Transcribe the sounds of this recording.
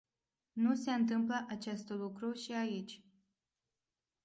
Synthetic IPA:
nuse̞ɨnt̪ɨmpləʔat͡ʃest̪lukɾuʃiait͡ʃʲ

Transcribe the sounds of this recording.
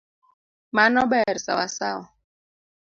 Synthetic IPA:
manɔbɛɾsa̰wasawɔ

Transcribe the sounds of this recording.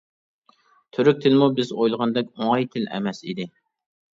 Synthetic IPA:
t̪ʰøɾyk̚ʲt̪ʰɪlmubɪzojlˠʁɑnd̪ɛkʲoŋɑjt̪ʰɪlɛ̰mɛsḭd̪ɪ

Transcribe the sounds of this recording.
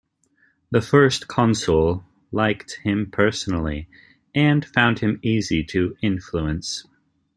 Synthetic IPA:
ðɨfɜ˞skʰɑ̃nsl̩ˠ | laɪkt̚hɪ̃mpʰɜ˞sn̩l̩ˠḭ | ɨ̃nfãʊ̃nd̚hɨ̃miziɾɨɪ̃nfluɨ̃ns

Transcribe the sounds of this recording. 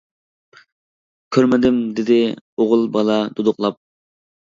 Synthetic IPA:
kʲʰøɾmɪd̪ɪmd̪ɪd̪ɪoʁʊlˠbɑlˠɑd̪̥ud̪ʊqlˠɑp̚

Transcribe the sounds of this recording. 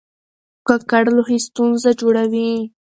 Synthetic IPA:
kakaɽlohist̪unzad͡ʒoɽawi

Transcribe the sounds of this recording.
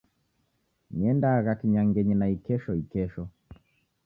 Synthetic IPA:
niɛndaɣakiɲaŋɡɛɲɛnaikɛʃɔikɛʃɔ

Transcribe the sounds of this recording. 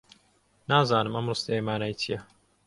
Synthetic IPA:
naːzaːnɨmɐmrɨst̪ejmaːnajt̪ʰijɐ

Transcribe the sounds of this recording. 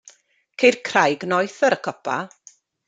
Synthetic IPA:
kʰejrkʰrajɡnɔjθəɾəkʰɔpʰa̰

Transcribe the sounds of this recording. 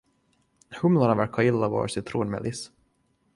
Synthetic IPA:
hɵmlanɑvæɾkʰːɑɪlːavɑ̰ːɾsɪt̪ʰɾuːnmɛ̰lɪs

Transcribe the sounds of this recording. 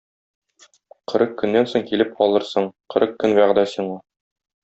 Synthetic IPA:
qɤ̆ɾɤqkːɵ̆nːænsoɴkilɘp̚qɒlˠɤɾsɤɴqɤ̆ɾɤqkːɵnbæʁd̪æsiɴɑ

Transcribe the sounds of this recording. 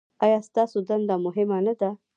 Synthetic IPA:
ɑjɑst̪ɑsod̪and̪amʊɦɪmanad̪a

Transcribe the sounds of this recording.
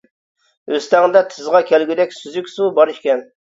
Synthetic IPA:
øst̪ɛŋd̪ɛt̪ʰɨzʁɑkʲʰɛlɡʲyd̪ɛkʲsyzykʲsubɑɾʃkʲɛn

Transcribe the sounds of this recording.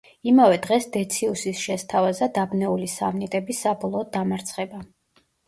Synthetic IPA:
imavɛd̪ʁɛsd̪ɛt̪sʰiusisʃɛst̪ʰavazad̪abnɛulisa̰mnit̪ʼɛbisabɔlˠɔːd̪amaɾt̪sʰχɛba

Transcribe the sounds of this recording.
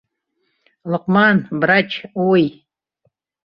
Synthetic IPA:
ləqmanbɾat͡ʃʰoj

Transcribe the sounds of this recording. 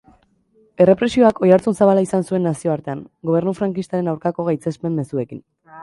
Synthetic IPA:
e̞re̞pɾe̞sio̞akʰo̞jaɾt͡sunsaβalaisansue̞nːasio̞aɾt̪e̞aŋ | ɡo̞β̞e̞ɾnufɾaŋkist̪aɾe̞nawɾkako̞ɣ̞ajt͡se̞spe̞mːe̞sue̞kin

